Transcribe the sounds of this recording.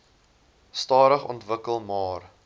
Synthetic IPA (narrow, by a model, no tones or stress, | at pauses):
stɑːɾəχɔ̰ntvəkəlˠmɑːr